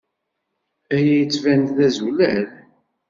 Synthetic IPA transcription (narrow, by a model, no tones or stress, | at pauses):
æjæjət͡sːvænðæzulæl